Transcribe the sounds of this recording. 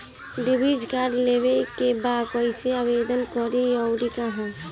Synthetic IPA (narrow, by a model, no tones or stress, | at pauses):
ɖɪbid͡ʒkaːɾɖleʋelkebaːd̪kɔɪseaʋeːd̪ənkɔɾiɔwɾikaɦã